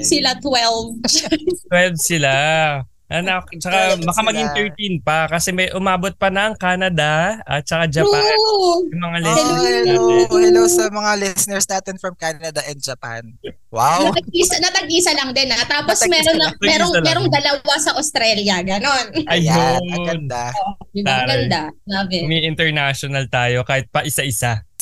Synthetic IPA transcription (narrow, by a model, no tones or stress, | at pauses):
sɪlat̪wɛlvst̪wɛlvsɪla | ʔɐnɐkt͡ʃɐkamɐkamɐɡiŋt̪ɛɹt̪inpɐkɐsɛmɐjʔʊmaːbot̪̚pɐnɐŋkaːnɐd̪aʔɐt̪̚t͡ʃɐkad͡ʒɐpoajɐmɐŋalɪs | ɪnowsɐmɐŋalɪsɪnɛɹsnaːt̪ɪnfɾɐmkanɐd̪ɐʔɛnd͡ʒɐpa̰n | wawnɐt̪ɐɡ̚isɐnɐt̪ɐɡʔiːsɐlɐŋd̪ɪnɐt̪aːposmɛɾoɐmɛːɾoŋmɛːɾoŋd̪ɐlɐwasɐʔost̪ɾɛljɐɡɐno̞nɐjoɐɡɐnd̪aaɾɡɐnd̪aabɛmɐjʔɪnt̪ɛɹnaʃonɐlt̪aːjo̞kaːhɪt̪̚pɐʔɪsaʔɪsa